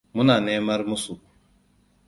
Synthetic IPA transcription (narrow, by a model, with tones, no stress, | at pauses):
mu˦na˨ne˦mɐ˦ɾmu˦su˨